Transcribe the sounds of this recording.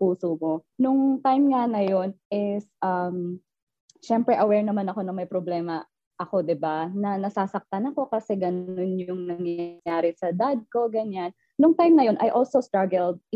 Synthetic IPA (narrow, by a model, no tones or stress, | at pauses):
puːsomonʊŋt̪ajmŋanɐjo̞nʔɪsʔɐm | ʃɛmpɾɛʔɐwɛɹnɐmanɐko̞nɐmɐjpɾoblɛːmɐ | ʔɐko̞d̪ɪbanɐnɐsaːsɐk̚t̪anɐko̞kɐsɛɡɐno̞njʊŋnɐŋjajaːɾɪsɐd̪ad̪̚ko̞ɡɐɲan | nʊŋt̪ajmnɐjo̞nʔɐjʔolsost̪ɹaɡɛld̪̚